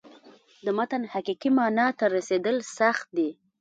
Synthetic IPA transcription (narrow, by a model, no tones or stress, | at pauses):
d̪əmat̪anhaqiqimɑnɑt̪aɾased̪əlsaxt̪̚d̪i